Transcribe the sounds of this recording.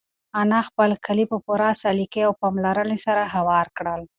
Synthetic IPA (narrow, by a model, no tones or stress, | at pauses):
anaxpəlkʰalipəpuɾasalikeawpɑmlaɾənesaɾaɦawɑɾkɽəl